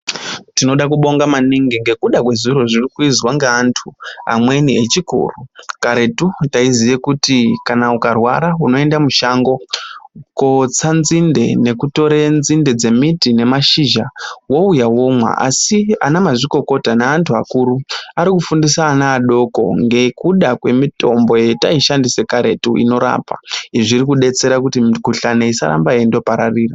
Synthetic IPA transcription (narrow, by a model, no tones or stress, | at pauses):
tino̞ɗak̬uɓo̞ŋɡamaniŋɡiŋɡe̞kuɗakwe̞ziɾo̞ʐirikuizwaŋɡeantʰua̰mwe̞niet͡ʃikṵːrukaɾe̞tutaizijekutikanaukarwa̰ɾauno̞e̞ndamuʃaŋɡo̞ | ko̞t͡sanzinde̞̰ne̞kuto̞ɾenzinde̞d͡ze̞mitine̞maʃiʒawo̞ujawo̞mwa̰ʔa̰sia̰namaʐiko̞ko̞tanaantʰuakuːɾuaɾikufundisaːnaːɗo̞ko̞̰ŋɡe̞kuɗakwe̞mito̞mbo̞je̞ta̰iʃandise̞kaɾe̞tṵḭno̞ɾa̰pa̰iʐirikuɗe̞t͡se̞ɾakutiɡuɬaneisa̰ɾa̰mbaendo̞paɾariːra